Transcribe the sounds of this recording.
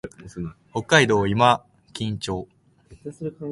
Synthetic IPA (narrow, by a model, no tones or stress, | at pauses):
ho̞kːaid̪o̞ːima | kʲĩɲt͡ɕo̞ː